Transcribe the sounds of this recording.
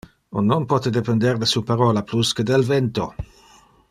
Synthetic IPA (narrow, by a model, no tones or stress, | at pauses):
onːonpɔt̪ed̪epend̪ɛrd̪esupaɾolapluskəd̪elvɛnt̪o